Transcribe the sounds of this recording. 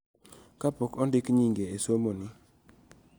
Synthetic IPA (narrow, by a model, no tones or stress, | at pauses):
kapɔkɔndɪkɲiŋɡeesomonɪ